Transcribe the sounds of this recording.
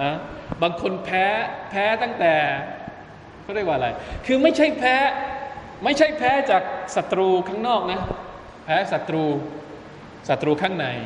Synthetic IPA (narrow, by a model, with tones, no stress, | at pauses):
ʔa˧baː˧ŋkʰo˧npʰɛː˦˥pʰɛː˦˥t̪a˥˩ŋt̪ɛː˨˩ | kʰɔ˥˩ɾa˥˩k̚waː˨˧ɾa˧jkʰɯː˧ma˥˩jt͡ɕʰa˥˩jpʰɛː˦˥ | ma˥˩jt͡ɕʰa˥˩jpʰɛː˦˥t͡ɕaː˨˩k̚sa˨˩t̪ːɾuː˧kʰaː˥˩ŋnɔː˥˩k̚na˦˥ | pʰɛː˦˥sa˨˩t̪ːɾuː˧ | sa˨˩t̪ːɾuː˧kʰaː˥˩ŋna˧j